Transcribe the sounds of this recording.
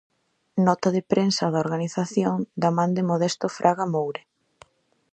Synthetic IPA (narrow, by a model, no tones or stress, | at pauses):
nɔt̪aðɪpɾensaðaoɾɣaniθaθjoŋd̪amãnd̪ɪmoðɛst̪ʊfɾʔaɣamowɾe